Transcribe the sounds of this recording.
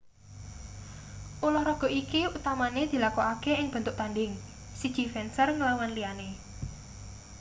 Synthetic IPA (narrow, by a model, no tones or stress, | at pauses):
ʔulɔhɾɔɡ̥ɔ̤ʔikiut̪amaned̪̥i̤lakɔakeɪŋb̥ə̤nt̪ʊʔ̚t̪anɖɪŋ | sid̥ʒ̥i̤fɛnsərŋəlawanliane